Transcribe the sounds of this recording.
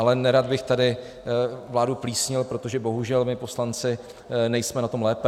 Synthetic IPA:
alɛnɛɾad̪bɪxt̪adɪ | vlaːdupliːsɲɪlpɾot̪o̞ʒɛbo̞ɦuʒɛlmɪpo̞slant͡sɪ | nɛjsmɛnat̪o̞mlɛːpɛ

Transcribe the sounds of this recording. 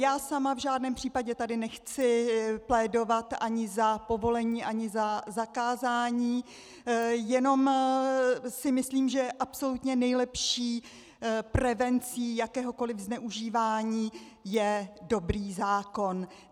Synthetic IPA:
jaːsamavʒaːdnɛːmpr̝̥iːpaɟɛt̪adɪnɛxt͡sɪplɛːdo̞vat̪ʔaɲɪzapo̞vo̞lɛɲiːʔaɲɪzazakaːzaːɲiː | jɛno̞m | sɪmɪsliːmʒɛʔapso̞lut̪ɲɛnɛjlɛpʃiː | prɛvɛnt͡siːjakɛːɦo̞ko̞lɪvznɛʔuʒiːvaːɲiː | jɛdo̞bɾiːzaːko̞n

